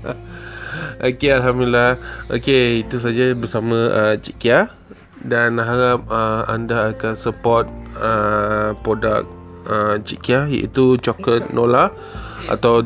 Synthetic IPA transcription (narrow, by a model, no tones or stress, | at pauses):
ʔokealɦamdlilahʔokeit̪us̬ad͡ʒabəsamə̃ʔət͡ʃḭʔkia | danɦaɾap̚əa̰ndaːkansəpɔt̪̚əpɾoda̰k̚ | ət͡ʃḭʔkiaja̰ʔḭt̪ut͡ʃokət̪̚nola | ʔa̰t̪aw